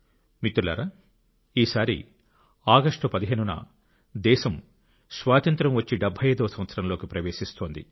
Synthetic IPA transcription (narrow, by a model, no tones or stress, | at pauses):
mit̪ulɐ̰ːɾɐ | iːsaːɾḭ | aːɡɐʂʈɐpɐd̪iɦeːnunɐ̰ | d̪ɛːʃɐm | sʋaːt̪ɐnt̪ɾɐmʋɐt͡ʃːiɖɐbʱːɐjɐːd̪ɐːsɐmʋɐt̪sɐɾɐmloːkipɾɐʋeːʃist̪o̞ːnd̪i